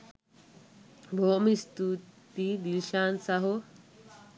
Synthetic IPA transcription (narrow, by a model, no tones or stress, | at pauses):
bʱoːmist̪ut̪id̪ilʃaːnsaɦo